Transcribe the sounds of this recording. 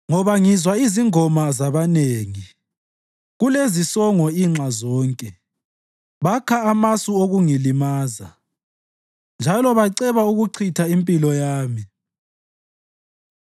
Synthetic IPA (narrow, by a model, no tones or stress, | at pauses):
ŋɔβaŋizwaiziŋɔmazaβaneːŋi | ɣulezisɔŋɔiŋ͡ǁʱazɔːŋkʼɛ | βakʰaːmasuoɣuŋilimaːza̰ | nd͡ʒʱalɔβaǀɛβauɣuǀʰitʰaimpʼilɔjaːmi